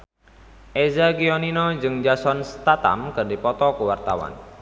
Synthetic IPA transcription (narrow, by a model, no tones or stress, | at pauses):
ʔezaɡiɔninɔd͡ʒɨŋd͡ʒasɔnst̪at̪a̰mkɨrdipɔt̪ɔkəwart̪a̰wa̰n